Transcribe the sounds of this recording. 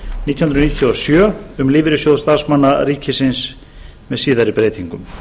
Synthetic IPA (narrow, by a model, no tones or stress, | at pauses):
nit̪jhʏnɾniːt̪ʰjiɔsjœːʏmliːvɪɾɪsjowðst̪aɾsmanːaɾiːcʰɪsɪns | mɛðsiːðaɾipɾeːjt̪iŋkʏm